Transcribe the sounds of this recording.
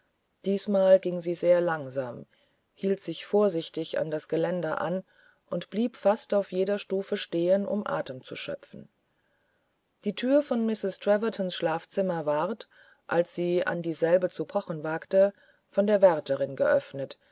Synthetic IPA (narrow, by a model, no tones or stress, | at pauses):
d̥iːsmaːlɡɪŋziːzeːɐlaŋzaːm | hiːltz̥ɪçfoːɐzɪçtɪça̰ndasɡ̥əlɛndɐʔa̰n | ʔʊntb̥liːpfastaʊfjeːdɐʃtuːfəʃteːənʔʊ̰mʔa̰ːtəmt͡sṵʃœ̰pp͡fn̩ | d̥iːtʰyːɐfɔnmɪsɪstʁ̥ɛvɐtʰɔnsʃlaːft͡sɪmɐvaʁt | ʔalsz̥iːʔa̰ndiːzɛlbət͡supʰɔχn̩vaːktə | fɔndeːɐvɛʁtʰəʁɪnɡə̰ʔœfnət